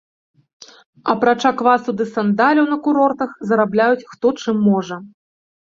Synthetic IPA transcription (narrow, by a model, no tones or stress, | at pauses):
ɐpɾat͡ʂakvasud̪ɨsand̪alʲɐwnɐkuɾɔrt̪ɐxzɐɾablʲajut͡sʲxt̪ɔt͡ʂɨmːɔʐɐ